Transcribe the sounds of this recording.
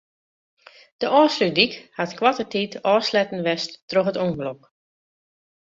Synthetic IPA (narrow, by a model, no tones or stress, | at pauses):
d̥əʔɔːsrydikhatkwatətiːtɔːslɛtn̩ʋɛstːroxətoŋvəlok